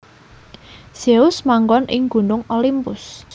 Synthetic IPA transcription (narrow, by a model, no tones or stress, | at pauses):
seʊsmaŋɡɔnʔɪŋɡ̥ṳnʊŋolimpʊs